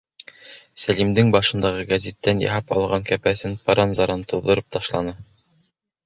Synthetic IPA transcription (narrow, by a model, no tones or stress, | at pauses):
sælimd̪ɘŋbɑʃɤ̆nd̪ɑʁɤɡæzʲit̪ːænjɑ̰ɦɑpɑ̰lˠʁɑŋkæpæsɘnpɑɾɑnzɑɾɑnt̪uðːɤ̆ɾɤp̚t̪ɑʃlˠɑnɤ